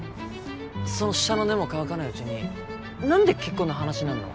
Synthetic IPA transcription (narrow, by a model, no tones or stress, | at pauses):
so̞no̞ɕi̥ano̞ne̞mo̞kaβakanaiɯ̟t͡ɕiɲ̟i | nãnd̪e̞ke̞kːoːnoɦanaɕinãnːo̰